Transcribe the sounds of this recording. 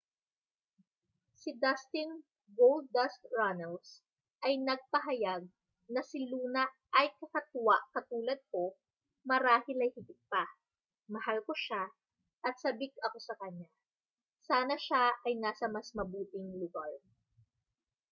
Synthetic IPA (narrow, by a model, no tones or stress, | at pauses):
sɪd̪ɐst̪ɪn | ɡowld̪̚d̪ɐskɹanɛls | ʔɐjnɐɡ̚pɐɦɐjaɡ̚ | nɐsɪluːnɐ | ʔɐjkɐkɐt̪ʊwaʔkɐt̪uːlɐd̪̚ko̞ | mɐɾaːhɪlɐjhɪɡɪt̪̚pa | mɐhalkoʃa | ʔɐt̪̚sɐbɪkɐko̞sɐkɐɲa | saːnɐʃaʔɐjnaːsɐmɐsmɐbuːt̪ɪŋlʊɡaɹ